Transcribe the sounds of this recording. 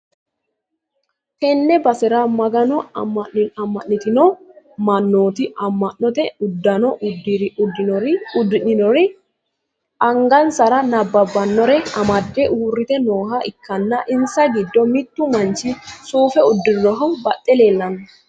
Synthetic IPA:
hɛnːɛbɐsɛɾamɐɡɐnɔmːɐɐmːɐnːɪt̪ɪnɔmɐnːoːt̪ɪʔɐmːɐnːɔt̪ɛʊd̪ːɐnɔʔʊdɔʊd̪ɪnɪnɔɾɪ | ʔɐŋɡɐnsɐɾɐnɐbːɐbɐnːɔɾɛɐmɐd̪ːɛʔuːrːɪt̪ɛnoːɦɐʔɪkːɐnːɐʔɪnsɐɡɪd̪ːɔmɪt̪ːʊmɐnt͡ʃːɪsuːfɛʊd̪ːɪɾɔɦɔbɐt̪ʼːɛleːlːɐnɔ

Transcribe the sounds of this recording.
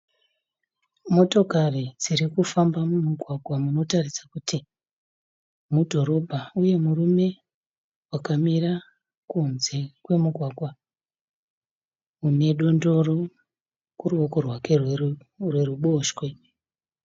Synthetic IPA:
mo̞to̞karid͡zirikufambamumuɡʱwaɡʱwamuno̞tarisḁkuti | mudʱo̞ɾo̞bʱauje̞murume̞ | wakamira | kunze̞kwe̞muɡʱwaːɡʱwa | une̞ɗo̞ndo̞ro̞ | kuruoko̞rwakerw | rwe̞ruɓo̞ːʃwe̞

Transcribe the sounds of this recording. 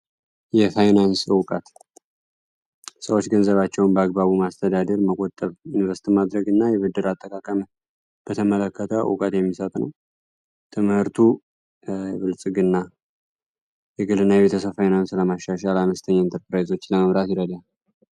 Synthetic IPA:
jɛfajnanswkʼat̪ | səwo̞t͡ʃːɡənzəβat͡ʃːɛwʊnbəaɡ̚baβumast̪ʰəd̪ad̪əɾməkʼot̪ʼːəβjunvəsi̥t̪ʰimad̪ɾəɡɨnːajɛβɨd̪ːɨɾat̪ʼːəkʼakʼəmə | b̥ət̪ʰəmələkːət̪ʰəw̰ṵkʼat̪jɛmːisət̪ʼnəw | t̪ʰɨmhɨɾt̪ʰu | βɨlsʼɨɡɨnːa | jɛɡɨlɨnːajɛβe̞t̪ʰəsəβfajnansləmaʃːaʃalaməst̪ʰəɲːaint̪ʰəɾpɾajzo̞t͡ʃːləməβɾat̪jɪɾəd̪jal

